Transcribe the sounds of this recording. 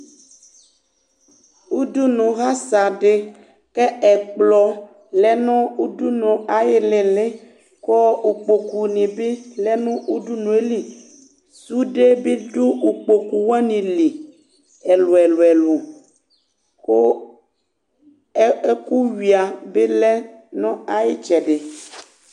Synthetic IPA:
u˦du˦nũ˨ɣa˦sa˨ɖe˦ | ke˦ɛ˨k͡plɔ˦ | lɛ˦nɔ̃˦u˦du˦nũ˨a˨je˦le˨le˦ | kɔ˦u˨k͡po˨ku˨nĩ˨be˦le˦nũ˦ʔu˦du˦nũ˨e˦li˨ | su˦ɖe˦be˦do˦o˨k͡po˨ku˨wa˦nĩ˨li˨ | ɛ˨lo˨ɛ˨lo˨ɛ˨lu˨ | ko˦ | e˦ku˦wi˨a˨be˦lɛ˦nɔ̃˦a˦je˦t͡ʃɛ˨ɖe˨

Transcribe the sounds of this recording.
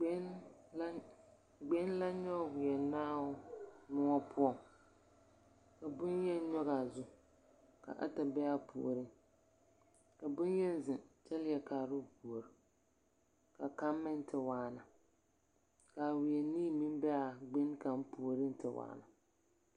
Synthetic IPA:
ɡ͡be˦n˦la˦ɲɔ˦˨wɪ˨jɛ˨naː˦ʊ˦nʊ˦ŋɔ˦pʰʊ˦ɔ˨ŋ | ka˨bʊ˦njɛ˦n˦ɲɔ˦ɣa˨zʊ˦ | ka̰˨ʔa̰˦ta˨bɛ˦a˦pʰṵ˨o̰˨ɾɨ˦ | ka˨bʊ˦njɛ˦n˦zɪ˨nt͡ʃɛ˦lɪ˦jɛ˨kaː˨ɾʊ˦˨pu˨o˨ɾɪ˨ | ka˨ka˦mːɛ˦n˦tɪ˨waː˨˦na˨ | ka˨wɪ˨jɛ˨niː˦mi˦m˦bɛ˦a˨ɡ͡be˦nka˨m˦pu˨o˨ɾɪ˦n˦tɪ˨wa̰ː˦˨na˨

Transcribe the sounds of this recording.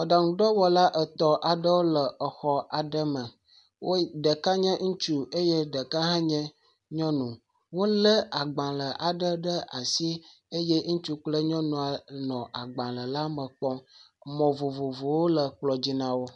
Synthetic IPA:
ɔ̃˨ɖa˨ŋũ˨ɖɔ˦wɔ˦la˦ʔə˨t̪ɔ˦ʔa˨ɖə˦wo˦lə˨ə˨xɔ˦a˨ɖə˦mə̃˨ | wo˦ɖə˨ka˦ɲɛ̃˦ŋũ˦t͡ʃu˦e˦je˦ɖə˨ka˦ɦã˦ɲɛ̃˦ | ɲɔ̃˦nũ˨ | wo˦lə˦a˨ɡ͡bã˨lə˨ʔa˨ɖə˦ɖə˦a˨si˦ | e˦jɛ˦ŋũ˦t͡ʃu˦k͡plə˦ɲɔ̃˦nũ˨a˨nɔ̃˨ʔa˨ɡ͡bã˨lə˨la˦mə̃˨k͡pɔ˦ | mɔ̃˨vo˨vo˨vo˨wo˦lə˨k͡plɔ˨d͡ʑi˦nã˨wo˦

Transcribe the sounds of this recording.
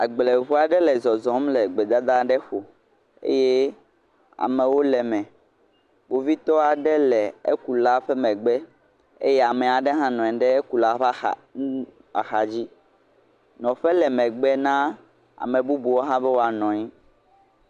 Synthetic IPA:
a̰˨ɡ͡ble˨ɦu˦a˨ɖɛ˦lɛ˨zɔ˨zɔ̃˨˦mlɛ˨ɡ͡bɛ˨d̪a˦d̪a˦ɖɛ˦ɸo˨ | ḛ˦je˦ | a̰˨mɛ̃˨wo˦lɛ˨mɛ̃˨ | bo˨vi˦t̪ɔ˦a˨ɖɛ˦lɛ˨ḛ˦ku˨la˦ɸɛ˦mɛ̃˨ɡ͡bɛ˦ | ḛ˦jɛ˦a˨mɛ˨a˨ɖɛ˦ɦã˦nɔ̃˨ɛ̃˨ɖɛ˦e˦ku˨la˦ɸ | a̰˨xa˨d͡ʑi˦ | nɔ̃˨ɸɛ˦lɛ˨mɛ̃˨ɡ͡bɛ˦nã˦ | a̰˨mɛ̃˨bu˦bu˨wo˦ɦã˦bɛ˦wo˦a˨nɔ̃˨ɲĩ˦

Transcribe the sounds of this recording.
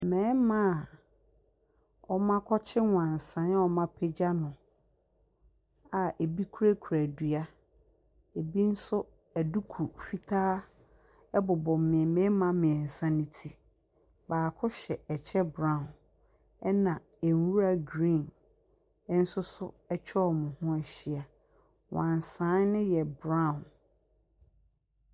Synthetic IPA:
mɛ̃˨˦mã˦˨ | ɔ˦mã˦kʰɔ˦t͡ɕʰɪ˦wʊ̃˨ã˨n̩˨sã˨˦n˦ɔ˦mã˦pʰɛ˦d͡ʑa˦nʊ̃˨ | a˨ʔe˨bi˦kʰu˦ɾæ˦kʰu˨ɾæ˨dɥa˦ | e˨bi˦n̩˦sʊ˦ | æ˨du˦kʰu˨fi˦tʰaː˦ | ɛ˦bʊ˨bɔ̃˨m˦mɪ̃˨ɛ˨mɛ̃˦mã˦mɪ̃˨ɛ˨n̩˨sã˦nɪ̃˨tʰi˨ | baː˨kʰʊ˦ɕɛ˨ɛ˨t͡ɕʰɛ˦bɾã˦˨n | ɛ˦nã˨ | e˨n˨wu˦ɾa˦ɡɾĩ˦˨n˦ | n̩˦sʊ˦sʊ˦ | ɛ˦t͡ɕᶣʰɔ˦ɔ˨mʊ̃˨hʊ̃˦ɛ˨ɕi˨a˨ | wã˨n˨sã˨˦nnːɪ̃˦jɛ˨bɾã˦˨n

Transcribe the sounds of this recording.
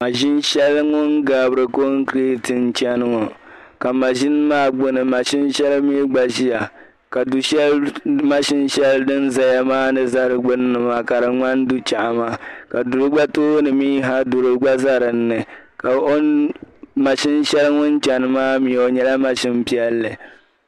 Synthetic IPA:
ma˨ʒɪ˦nʃɛ˦lŋʊ˦nɡa˨bɨ˦ɾɨ˨ko˦ŋ˦kɾi˦tɨ˨n˦t͡ʃɛ˦nɨ˦ŋɔ˨ka˨ma˨ʒɪ˦n˦maː˦ɡ͡bʊ˦nɨ˨ma˨ʃɪ˦nʃɛ˦lmi˦ɡ͡ba˨ʒi˦ja˨ | ka˨du˨ʃɛ˦lma˦ʃɪ˦nʃɛ˦ldɨ˦n˦za˨ja˦maː˦nɨ˨za˦ɾɨ˨ɡ͡bɨ˦nː˦ɨ˨ma˨ka˨ɾɨ˨ŋa˦n˦du˦t͡ʃa˨ʔa˨ma˦ka˨du˨ɾɨ˦ɡ͡ba˦to˦nɨ˨miː˦ɦa˦du˨ɾɨ˦ɡ͡ba˦za˦ɾɨ˨n̩ːɨ˨ | ka˨o˦ | ma˨ʃɪ˦n˦ʃɛ˦lɨ˦ŋʊ˦n˦t͡ʃɛ˨nɨ˨maː˦mi˨o˨ɲɛ˦la˦ma˦ʃɪ˦m˦pi˦ɛ˦lːɨ˨

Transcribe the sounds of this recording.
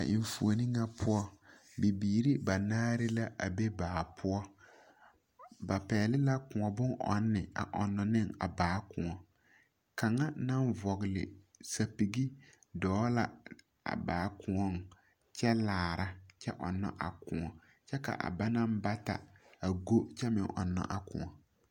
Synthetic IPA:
a̰˨ʔɪ˨ɱfu˨o˨ni˦ŋa˦pʰʊ˦ɔ˦ | bi˨biː˨ɾi˦ba˨naː˦ɾɪ˦la˦ʔa̰˨be˦baː˨pʰʊ˦ɔ˦ | ba˨pɛː˨lɪ˦la˦kʊ˨ŋɔ˨bʊ˦ŋʔɔ̰˨˦nːɪ˨a̰˨ʔɔ̰˨nːɔ˨nɪ˦ŋa̰˨baː˨˦kʊ˨ɔ˨ | ka˨ŋa˦na˦ɱvɔ˨ɣɪ˨lɪ̰˨sa˨pi˨ɡi˦ | dɔː˨˦la˨ | a̰˨baː˨˦kʰʊ˨ŋɔ˦˨ŋ | t͡ʃɛ˦laː˨ɾʔa˦t͡ʃɛ˦ʔɔ̰˨nːɔ̰˦ʔa̰˨kʊ̃˨ŋɔ˨ | t͡ʃɛ˦ka̰˨ʔa̰˨ba˦na˦m˦ba˦ta̰˨a˨ɡo˦t͡ʃɛ˦mɪ̰˨ŋʔɔ̰˨nːɔ̰˨ʔa˨kʊ̰̃˨ɔ˨

